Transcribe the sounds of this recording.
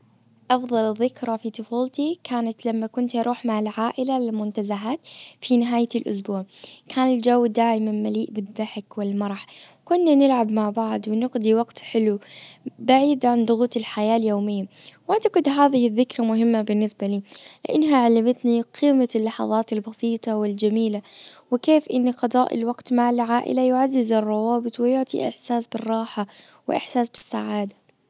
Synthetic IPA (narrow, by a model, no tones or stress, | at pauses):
ʔɑfðˤɑlðːɪkɾˤɑfit̪ˤʊfuːlt̪ikʰaːnat̪lamːakʊnt̪ʔɑɾˤʔuːħmaʕɪlʕaːʔɪlalɪlmʊnt̪azaɦaːt̪finɪɦaːjt̪lʔʊ̰s̬buːʕkʰaːnɪld͡ʒawːd̪aːʔɪmanmaliːʔbɪd̪ːaħkwɪlmɑɾˤħkʊnːanɪlʕabmaʕbaʕd̪wɪnɪqd̪iwɑɡt̪ħɪlubaʕiːd̪ʕand̪ˤʊɣuːt̪ɪlħajaːljoːmɪjːawʔaʕt̪aqɨd̪ɦaːðɪhɪðːɪkɾˤamʊɦɪmːabɪnːɪsbaliːlɪʔɪ̰nːɦaʕalːɪmat̪niqʰiːmalːɑħɑ̰ðˤɑːt̪ɪlbɑsiːt̪ˤɑwɪld͡ʒamiːlawɪkeːfʔɪnːiqɑd̪ˤɑːʔɪ̰lwaqt̪maʕlʕaːʔɪ̰lajʊʕazːɪzɪrˤːɑwɑːbɪt̪ˤwɪjʊʕt̪ˤḭʔɪ̰ħsaːsbɪrˤːɑːħawɪʔɪ̰ħsaːsbɪsːaʕaːd̪a